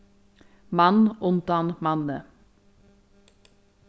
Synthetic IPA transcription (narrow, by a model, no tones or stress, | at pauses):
mɑnʔʊnd̪ɑnmɑnə